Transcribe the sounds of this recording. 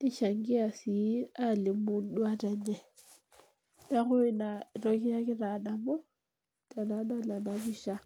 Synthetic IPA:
ɪ˦ʃa˨ŋɡɪ˦a˨si˨˦a˦˨lɪ˨mʊ˦n̩˦dʊ˦a˦ta˨ɲɛ˨ | da˦ɣʊ˦ɪ˦na˨rɔ˦ki˦ja˦kɪ˦ra˨na˨mɔ˦ | ta˨na˨˦na˦la˨na˨˦βi˦ʃa˦

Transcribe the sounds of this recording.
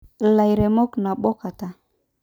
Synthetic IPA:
la˨jɾe˨mɔ˦kna˨ɓɔ˦ka˨ta˨

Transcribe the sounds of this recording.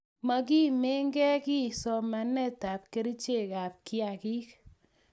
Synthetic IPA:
ma˨k̬i˦me˦ŋɡɛ˦ki˦sɔ˨ma˨nɛ˦ta˨p̚ke˦ɾi˦t͡ʃe˦˨ka˨p̚kɪ˦a˨ki˦k

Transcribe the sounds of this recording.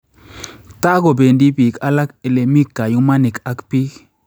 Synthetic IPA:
ta˦ko˨be˨ndi˦bi˨ka˦la˦ke˨le˨mi˦kːa˨ju˦ma˦ni˨ka˦kpi˦k

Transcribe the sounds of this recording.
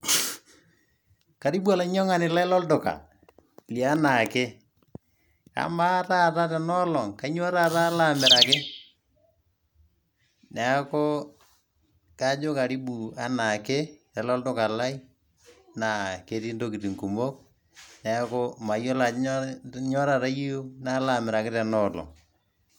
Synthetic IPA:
ka˨ɾi˦ɓu˦a˨la˦ɲɔ˦ŋa˦nɪ˨la˦i˦lɔ˦ltʊ˨ka̰˨ | li˨a˦na˨kɪ˦ | ka̰˨ma˦ra˦˨ta˦tɛ˨nɔ˦lɔ˨ŋka˨˦ɲ˦o˦ɾa˦ta˦la˦mɛ˨ɾa˨kɪ˦ | nɛ˨˦ko˦ | ka˦d͡ʒo˦ka˨ɾi˦ɓu˨a˦na˨kɪ˦ | ɛ˨lɔ˦ltʊ˦ka˨la˦i˦ | na˨ke˨ti˦ndo˦ki˨ti˨ŋku˨mo˦k̚ | nɛ˨a˦ko˦ma˨jo˦la˨ | ɲɔ˦ɾa˨ɾa˦ji˦jo˦na˦la˨mɪ˨ɾa˨kɪ˦tɛ˨nɔ˦lɔ̰˨ŋ

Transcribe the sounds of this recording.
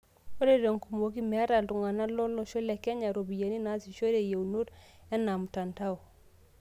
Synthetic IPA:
o˦ɾe˦˨do˨ŋku˨mo˨ki˦me˨a˦ɾa˨ldu˨ŋa˨na˦lo˦lo˨ʃo˦le˨ke˦ɲa˨ɾo˨bi˨je˨ni˦na˨˦si˨ʃo˦ɾe˨je˨wnu˦ɾɛ˦na˨m˨ta˨nta˦w

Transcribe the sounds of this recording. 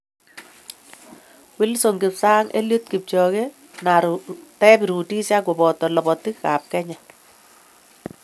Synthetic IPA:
wɪ˦lso˨ŋɡɪ˨psaː˦ŋḛ˦ljo˦t̚kɪ˨p̚t͡ʃɔ˨ɣe˦ | na˨ɾtɛ˦bi˨ɾu˨ti˦sa˦k̬o˨bɔ˨tɔ˨lɔ˨bɔ˨tɪ˦kka˨p̚kɛ˦ɲa˨

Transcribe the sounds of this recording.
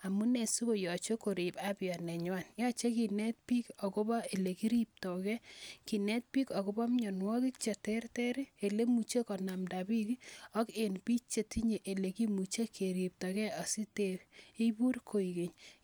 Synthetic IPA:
a˨mu˦ne˨su˦ko˨jɔ˨t͡ʃo˦ko˨ɾi˨ba˦bjɔ˨nɛ˨ɲwa˦˨njɔ˦t͡ʃe˦ki˨nɛ˦t̚pi˦kɔ˨ko˦ba˦e˨le˨ki˦ɾi˦p̚tɔ˨kɛ˦ki˨nɛ˦t̚pi˦kɔ˨ko˦bɔ˦mɲɔ˨nwɔ˦ki˦k̚t͡ʃe˨tɛ˦rtɛ˦ɾi˦e˨le˦mu˨t͡ʃe˦kɔ˨na˨mda˨bi˦ki˦ɔ˦ke˨npi˦t͡ʃe˨ti˦ɲe˨ʔe˨le˨ki˦mu˨t͡ʃe˦kʰe˨ɾi˨p̚tɔ˨kɛ˦ɔ˨si˦te˦˨i˦bu˦rkʰo˨i˨ke˨ɲ

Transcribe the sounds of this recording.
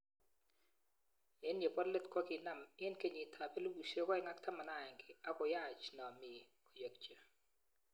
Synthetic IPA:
ɛ˦nje˨pɔ˦dle˦t̪kɔ˦kɪ˨na˦˨mɪ˦nke˦ɲi˨tʰa˨be˦lu˦bu˨ʃe˦kɔ˦ɛ˨ŋa˦ktʰa˦ma˨na˦˨ŋɡɪ˨a˦kɔ˨ja˦˨t͡ʃnɔ˨mɪ˨ | o˨jə˨k̚t͡ʃə˨

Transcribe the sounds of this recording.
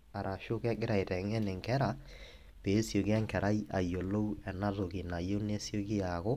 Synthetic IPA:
a˨ɾa˨ʃo˦kɛ˦ɡɪ˦ɾa˨e˨tɛ˨ŋɛ˦nɪ˨ŋkɛ˦ɾa˨ | peː˨˦sjo˨kɛ˦ŋkɛ˨ɾa˦i˦ʔa˨jo˨lo˦u˦ɛ˨na˦ðo˨ki˨na˨jo˦ne˦sjo˦ki˦a˨ɣo˦

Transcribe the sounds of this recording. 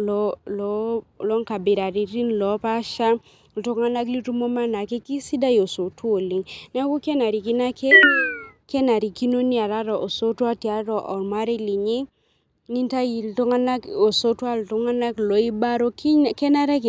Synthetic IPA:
lɔlɔ˨˦lɔ˦ŋka˨bi˨ɾa˨ɾi˨ɾi˦nlɔ˨˦pa˦ʃa˦ | ltɔ˦ŋa˦na˦kli˦tu˦mo˦ma˦na˨ke˦ki˦si˦da˦jo˨so˨tu˦o˨li˨ŋn˦a˦ku˦kɛ˦na˨ɾi˨ki˦na˦ke˦ | kɛ˦na˨ɾi˨ki˦no˦ni˦a˨ɾa˦ɾɔ˨ʔo˨so˦twa˦ti˨a˨ɾɔ˨ʔɔ˨ma˦ɾe˦li˨ɲi˦ | ni˦nta˦ji˨ltɔ˦ŋa˦na˦ko˨so˦twa˦ltʊ˦ŋa˦na˦klo˨˦i˦ba˦ɾo˦kkɛ˦na˦ɾɛ˦k

